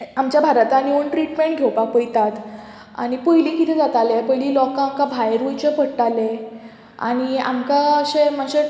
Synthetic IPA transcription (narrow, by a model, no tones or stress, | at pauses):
amt͡ɕjabʱaɾat̪añioɳʈɾiʈmeɳʈ̚ɡʱewpapəjt̪at̪ | a̰ñipɔjliːkit̪ʰɛd͡zat̪alepəjliːlɔkãamkãbʱajɾut͡ɕepəɽʈale | a̰ñia̰mkaəɕeməɕe